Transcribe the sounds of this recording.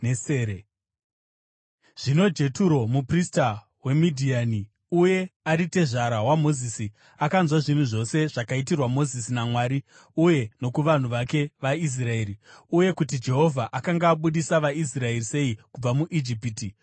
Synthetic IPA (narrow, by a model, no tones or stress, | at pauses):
eseɾe | ʐ̥ino̞d͡ʒe̞tuɾo̞muprista | we̞midʱiani | uje̞aɾite̞ʐaɾawamo̞zisi | akanzwaʐin̤uʐo̞se̞ʐakaitirwamo̞zisinamwaːɾi | uje̞no̞kuʋan̤uʋake̞ʋais̬rae̞ːɾiuje̞kutid͡ʒe̞ɦo̞vʱaʔakaŋɡaːɓuɗisaʋais̬rae̞rise̞ikub͡vamuʔid͡ʒipiti